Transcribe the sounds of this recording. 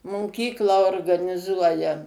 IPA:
moːˈkʲiːklˠɑː oːrɡɐnʲɪˈzuɔjɛ

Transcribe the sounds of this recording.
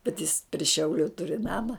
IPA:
bʲɛt jɪs pʲrʲɪ ˈʃʲɛʊlʲʊ ˈtʊrʲɪ ˈnɑːmɐ

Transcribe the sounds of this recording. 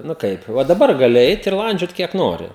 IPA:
ˈnʊ ˈkɐɪp ˈʋɐ dɐˈbɐr ɡɐˈlʲɪ ˈɛɪt ɪr ˈlˠɐnʲd͡ʒʲoːt ˈkʲiɛk ˈnoːrʲɪ

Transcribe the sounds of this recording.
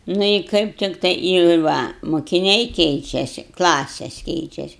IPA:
ˈnʊ ɪ ˈkɐɪp ˈtʲɪktɐɪ ɪ ˈʋɐ mʊkʲɪˈnʲɛɪ ˈkʲɛɪt͡ʃʲɛsʲɪ ˈklˠɑːsʲɛs ˈkʲɛɪt͡ʃʲɛsʲɪ

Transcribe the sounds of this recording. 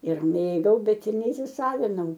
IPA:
ɪr ˈmʲeːɡɐʊ ˈbʲɛt ɪr nʲɛiːsʲɪˈsɑːʋʲɪnɐʊ

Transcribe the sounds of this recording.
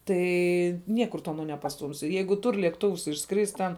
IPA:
ˈtɐɪ ˈnʲiɛkʊr tʊ ˈɑːnoː nʲɛpɐsˈtuːmʲsʲɪ ˈjɛɪɡʊ ˈtʊr lʲeːkˈtʊws ɪʃˈskrʲɪsʲtʲ tʲɛn

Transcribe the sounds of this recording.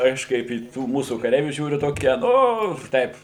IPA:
ˈɐʃ ˈkɐɪp iː ˈtuː ˈmuːsuː kɐˈrʲɛɪʋʲuː ˈʒʲuːrʲʊ ˈtoːkʲiɛ ˈnʊ ˈtɐɪp

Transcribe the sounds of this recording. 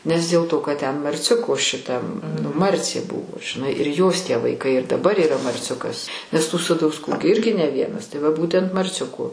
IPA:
nʲɛs dʲeːlˠ ˈtoː kɐt tʲɛn mɐrʲˈt͡sʲʊkoː ʃʲɪˈtɐm nʊ ˈmɐrʲt͡sʲeː ˈbʊʋoː ʒʲɪˈnɐɪ ɪr joːs tʲiɛ ʋɐɪˈkɐɪ ɪr dɐˈbɐr iːˈrɐ mɐrʲˈt͡sʲʊkɐs nʲɛs tuː sɐdɐʊsˈkuː ɡʲɪ ˈɪrʲɡʲɪ nʲɛ ˈʋʲiɛnɐs tɐɪ ʋɐ ˈbuːtʲɛnt mɐrʲˈt͡sʲʊkoː

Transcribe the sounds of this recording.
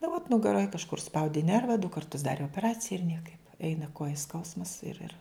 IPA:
nʊ ʋoːt nʊɡɐˈroːj kɐʃˈkʊr ʊʃˈspɐʊdʲɪ ˈnʲɛrʋɐ dʊ kɐrˈtʊs ˈdɑːrʲeː oːpʲɛˈrɑːt͡sʲɪjɛ ɪr ˈnʲiɛkɐɪp ˈɛɪnɐ ˈkoːjɛ ˈskɐʊsmɐs ˈɪr ɪr

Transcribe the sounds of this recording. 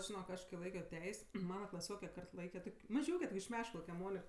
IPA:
ʒʲɪˈnoːk ˈɐʃ kɐɪ ˈlˠɐɪkʲoː ˈtʲɛɪsʲ ˈmɑːnɐ klˠɐˈsʲoːkʲɛ ˈkɐrt ˈlˠɐɪkʲɛ ˈtoːkʲ mɐˈʒʲuːkʲɛ toːkʲ ɪʃ ˈmʲæːʃkɐlˠɐʊkʲɛ ˈmoːnʲɪk

